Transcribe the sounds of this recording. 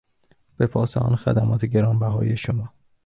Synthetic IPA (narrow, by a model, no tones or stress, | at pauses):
b̥epʰɒːsḛʔɒ̰ːnxæ̰d̪æmɒːt̪ʰeɟeɾɒːmbæɦɒ̰ːjeʃomɒː